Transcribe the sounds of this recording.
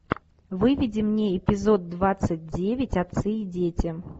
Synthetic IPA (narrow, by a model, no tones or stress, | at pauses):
vɨvʲɪdʲɪmnʲeɪpʲɪzo̞d̪̚ːvat̪sɨt̚ʲdʲevʲɪtʲɐt̪sɨidʲetʲɪ